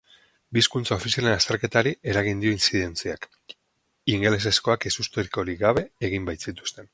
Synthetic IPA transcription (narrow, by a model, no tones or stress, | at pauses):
biskunt͡sao̞fisijalenast̪e̞ɾke̞t̪aɾiʔe̞ɾaɣ̞ind̪io̞insiðe̞nt͡siak | iŋɡe̞le̞s̬e̞sko̞akesust̪eɾiko̞ɾiɣaβ̞e̞ːɣ̞imbajt̪sit̪u̥st̪e̞n